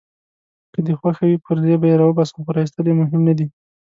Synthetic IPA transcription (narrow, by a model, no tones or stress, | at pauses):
kəd̪əxwaxawipəɾd̪ebajeɾɑwəbɑsḁpoɾɑist̪əlemʊɦɪmnad̪i